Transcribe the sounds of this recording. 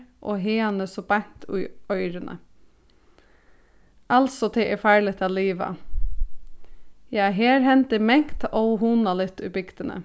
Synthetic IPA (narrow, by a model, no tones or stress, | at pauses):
ʔoːɦeːɑnəsɔbɑŋt̪ʰʉ̰œʏɾənʔə̰ | ʔɑlsɔt̪ʰɪʔɛfæːɹɭət̪ʰɑliːʋɑ̰ | jææːɦeːɾhɛnt̪ɪmɛŋkt̪oʊhuːnɑlɪt̪ʰʉbʏkt̪ənə̰